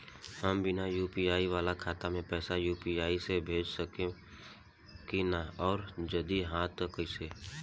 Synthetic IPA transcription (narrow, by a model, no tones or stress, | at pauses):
həmbɪnajuːpiaːiʋaːlakʰaːt̪amẽpɛːsajuːpiaːisebʱeːd͡ʒsəkẽ | kinaɔːɾd͡ʒəd̪iɦaːt̪kəseː